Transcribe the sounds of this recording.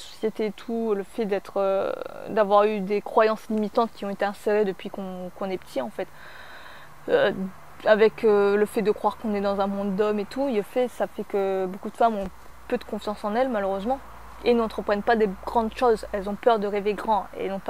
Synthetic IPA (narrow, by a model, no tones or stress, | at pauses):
sɔ̥sjet̪eːt̪ʰuləfɛd̪ɛt̪χød̪avwaʁyd̪ekχwajɑ̃slimit̪ɑ̃t̪̚kʲiɔ̃et̪eɛ̃seʁed̪əpɥikɔ̃kɔ̃nɛpə̥t̪ʰiɑ̃fɛt̪ | ø | avɛkøləfɛd̪əkχwaʁkɔ̃nɛd̪ɑ̃zɛ̃mɔ̃d̪ːɔmet̪uləfɛsafɛkəbokud̪əfamɔ̃ | pød̪əkɔ̃fjɑ̃sɑ̃nɛlmaløʁøzmɑ̃ | enɑ̃t̪χəpχɛnpad̪eɡ̥ʁɑ̃d̪ʃozɛlzɔ̃pœʁd̪əʁeveɡʁɑ̃ḛɛ̰lnɔ̃pa